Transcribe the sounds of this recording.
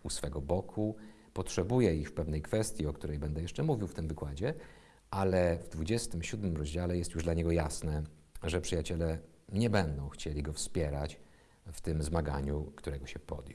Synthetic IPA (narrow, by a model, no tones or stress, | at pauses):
usfɛɡɔbɔkʰu | pɔtʂɛbujɛixfpɛvnɛjkfɛst̪ʲjiɔkt̪uɾɛjbɛnd̪ɛjɛʂt͡ʂɛmuvʲiwft̪ɘmvɘkwad͡ʑɛ | alɛvd̪vud͡ʑɛst̪ɘmɕud̪mɘmɾɔʑd͡ʑalɛjɛst̪juʐd̪laɲɛɡɔjasnɛ | ʐɛpʂɘjat͡ɕɛlɛ | ɲɛbɛnd̪ɔ̃w̃xt͡ɕelʲiɡɔfspʲjɛɾat͡ɕ | ft̪ɘmzmaɡa̰ɲukt̪uɾɛɡɔɕɛpɔ̰d̪j